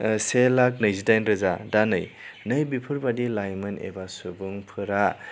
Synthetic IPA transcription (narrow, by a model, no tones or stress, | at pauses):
selak̚nɯjzidajnɾɯzadanɯjnɯjbipʰɯɾbadilajmɯnḛbasubuŋpʰɯɾa